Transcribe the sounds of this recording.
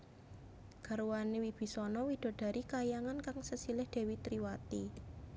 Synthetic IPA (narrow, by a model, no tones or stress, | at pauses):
ɡ̥a̤ɾuwanewib̥i̤sɔnɔwid̪̥o̤d̥a̤ɾʔikajaŋankaŋsəsilɪhd̪̥e̤wit̪ɾiwat̪i